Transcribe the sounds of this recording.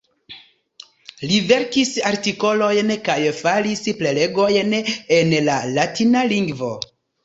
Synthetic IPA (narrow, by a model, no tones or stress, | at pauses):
live̞ɾkisaɾtiko̞lo̞jnkajfalisple̞le̞ɡo̞jnenlalatinaliŋɡvo̞